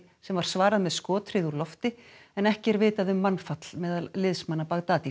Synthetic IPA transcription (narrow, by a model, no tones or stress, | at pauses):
sɛmvaɾ̥svaːɾaðmɛðskɔːt̪ʰɾiːðuɾlɔft̪ɪɛnɛhcɪɛɾvɪːt̪aðʏmːanfat̪l̥mɛːðalːɪðsmanːapaɣt̪aːt̪i